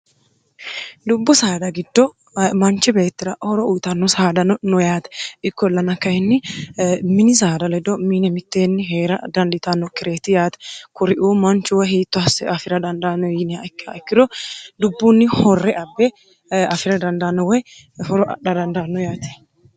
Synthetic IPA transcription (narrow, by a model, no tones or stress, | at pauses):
d̪ʊbːʊsaːd̪ɐɡɪd̪ːɔ | mɐnt͡ʃːɪbe̞ːt̪ːɪɾɐʔhɔɾɔʔʊjt̪ɐnːɔsaːd̪ɐnɔnɔjaːt̪ɛ̥ɪkːɔlːɐnɐkːɐjɛnːɪ | mɪnɪs̬aːd̪ɐlɛd̪ɔminɛmɪt̪ːeːnːɪɦe̞ːɾɐ̰d̪ɐnd̪ɪt̪ɐnːɔkɪɾe̞ːt̪ːɪjaːt̪ɛ̥kʊɾɪʔuːmɐnt͡ʃʊwɐɦiːt̪ːʊɐsɛʔɐfɪɾɐd̪ɐnd̪aːnɔjɪnɪaɪkːaɪkːɪd̪ɔd̪ʊbːunːɪhɔrːɛʔɐbːɛ | ɐfɪɾɐd̪ɐnd̪ɐnːɔwɔj | hɔɾɔᶑɐd̪ɐnd̪ɐːnːɔjaːt̪ɛ̥